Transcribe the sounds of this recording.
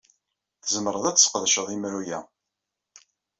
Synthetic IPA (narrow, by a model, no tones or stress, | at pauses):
θəzməɾəðˤæt͡sːsqðʃəðˤimɾujæ̰